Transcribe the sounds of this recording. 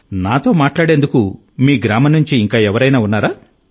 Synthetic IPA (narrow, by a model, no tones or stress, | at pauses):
naːt̪o̞ːmaːʈlaːɽend̪uku | miːɡɾaːmɐnuɲt͡ʃiːŋkaːɛʋɐɾɐjnaːunːaːɾaː